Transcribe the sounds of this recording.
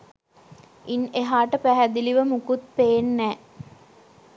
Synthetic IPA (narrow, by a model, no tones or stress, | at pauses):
ineɦaːʈəpæɦæd̪iliʋəmukut̪̚peːnːæː